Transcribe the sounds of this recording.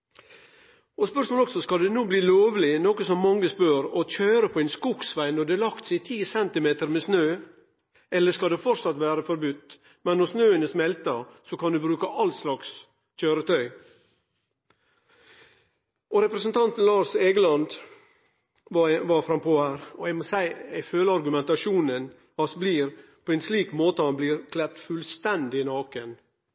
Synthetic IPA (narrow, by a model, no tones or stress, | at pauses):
ɔspœʂmoːlɔksɔskɑld̪ɛnuːbliːloːʋlɪnɔkəsɔmːɑŋːəspøːɾɔc͡çœːɾəpʰɔɛɪnskuksʋæɪnɔɖɛlɑkt̪sæɪt̪ʰiːsɛnt̪ɪmeːt̪əɾmesnøː | ɛlːəʂkɑd̪ɛfɔɾsɑt̪ʋæːɾəfɔɾbʉt̪ː | mɛnːɔsnøːənəsmɛlt̪əsɔkʰɑnd̪ʉbɾʉːkəʔɑlt̪slɑks | c͡çøːɾət̪ʰœʏ | ʔɔɾɛpɾəsənt̪ʰɑnt̪n̩lɑːʂeːɡəlɑnd̪ | ʋɑfɾɑmpʰoːhæːɾɔæɪmosæɪæɪføːləɑɾɡʉmɛnt̪ɑʂuːnən | ɑsbliːɾpʰoːɛːnsliːkmoːt̪əhɑnbliːɾkʰlɛt̪fʉlst̪ɛnd̪ɪnɑːkən